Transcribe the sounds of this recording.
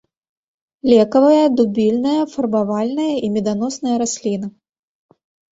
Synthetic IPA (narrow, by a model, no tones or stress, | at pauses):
lʲɛkɐvɐjɐd̪ubʲilʲnɐjɐfɐrbavalʲnɐjɐʔimʲɛd̪an̪ɔsnɐjɐɾasʲlʲinɐ